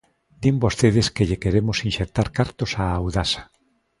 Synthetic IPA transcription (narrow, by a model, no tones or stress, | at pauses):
d̪imbost̪eð̞eskeʎekeɾemosinʃek̚t̪aɾkaɾt̪osaːwðasḁ